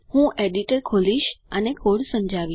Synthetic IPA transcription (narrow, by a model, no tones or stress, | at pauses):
hũʔeɖiʈəɾkʰoliʃənekʰoɽsə̃md͡ʒʱaʋi